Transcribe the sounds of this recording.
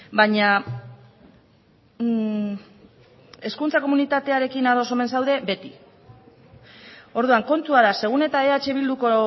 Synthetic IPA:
baɲa | e̞skunt͡sako̞munit̪at̪e̞aɾe̞kinaɾo̞so̞me̞ns̬awðe̞be̞t̪i | o̞ɾðuaŋko̞nt̪uaɾase̞ɣ̞une̞t̪ae̞at͡ʃe̞β̞ild̪uko

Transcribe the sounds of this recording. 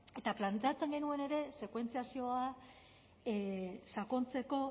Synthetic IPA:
e̞t̪aplant̪eat͡se̞ŋɡe̞nue̞ne̞ɾe̞se̞kwe̞nt͡siasio̞a | sako̞nt͡se̞ko̞

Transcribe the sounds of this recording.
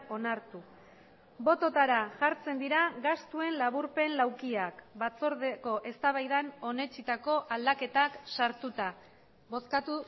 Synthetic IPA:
o̞naɾt̪u | bo̞t̪o̞t̪aɾaʝaɾt͡se̞nd̪iɾaɣast̪ue̞nlaβuɾpe̞nlawkiakbat͡soɾðeko̞ʔe̞st̪aβajðano̞ne̞t͡ʃit̪ako̞ʔald̪ake̞t̪aksaɾt̪ut̪a | βo̞skat̪u

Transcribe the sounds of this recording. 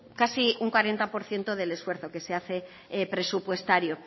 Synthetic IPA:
kasiuŋkwaɾe̞nt̪apo̞ɾθje̞nt̪o̞ðe̞le̞sfwe̞ɾθo̞ke̞seaθe̞ | pɾe̞supwe̞st̪aɾjo̞

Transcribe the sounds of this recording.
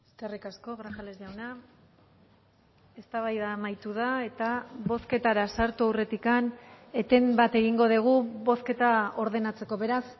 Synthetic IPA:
eskerikasko̞ɣɾaxalezʝawna | e̞st̪aβajðamajt̪uð̞ae̞t̪aβo̞ske̞t̪aɾasaɾt̪uawre̞t̪ikane̞t̪e̞mbat̪e̞ɣ̞iŋɡo̞ð̞iɣ̞uβo̞ske̞t̪ao̞ɾðe̞nat͡se̞ko̞βe̞ɾas

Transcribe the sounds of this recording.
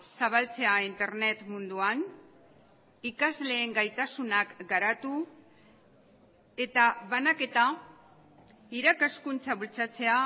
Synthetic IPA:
saβ̞alt͡se̞aint̪e̞ɾne̞t̪mund̪uan | ikazle̞ːŋɡajt̪asunakɡaɾat̪u | e̞t̪aβanake̞t̪a | iɾakaskunt͡saβult͡sat͡se̞a

